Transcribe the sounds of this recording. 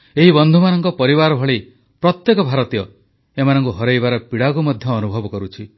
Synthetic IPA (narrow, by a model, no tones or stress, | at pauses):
eɦibɔnd̪ʱumanɔŋkɔpɔɾiβaɾɔbʱɔɭi | pɾɔt̪jekɔbʱaɾɔt̪ijɔ | emanɔŋkuɦɔɾejbaɾɔpiɽakumɔd̪ʱjɔːnubʱɔbɔkɔɾut͡ʃʰi